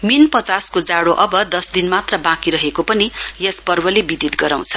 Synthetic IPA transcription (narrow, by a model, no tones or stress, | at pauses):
minpʌt͡saskod͡zaɽoʔʌbʌd̪ʌsd̪inmat̪rʌbãkiɾʌɦekopʌnijʌspʌrbʌlebid̪it̪ɡʌɾaw̃t͡sʰʌ̥